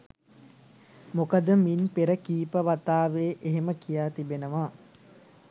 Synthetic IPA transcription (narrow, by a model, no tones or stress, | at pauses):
mokəd̪əminpeɾəkiːpəʋat̪aːʋeːʔeɦeməkijaːt̪ibenəʋa